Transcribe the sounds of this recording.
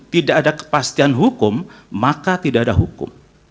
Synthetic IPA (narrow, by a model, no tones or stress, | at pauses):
t̪idaʔːdakə̥past̪ianɦukʊmːakat̪idaʔːdaɦukʊ̰m